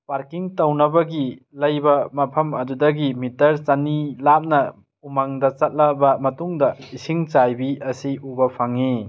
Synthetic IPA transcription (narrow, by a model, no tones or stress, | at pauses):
paɾkiŋtɐwnɐbɐɡi | lɐjbɐmɐpʰɐmɐdudɐɡimitɐɾt͡ʃɐnilap̚nɐ | umaŋdɐt͡ʃɐt̚lɐbɐmɐtuŋdɐisiŋt͡ʃajbiɐsiubɐpʰaŋi